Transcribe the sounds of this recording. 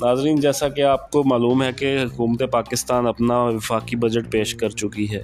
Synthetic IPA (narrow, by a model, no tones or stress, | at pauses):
naːzɾiːnd͡ʒɛːsakeaːp̚komaːluːmɦɛkeɦʊkuːmət̪epaːkɪst̪aːnɐpnaʋɪfaːkibɐd͡ʒəʈ̚peːʃkɐɾt͡ʃʊkiɦɛː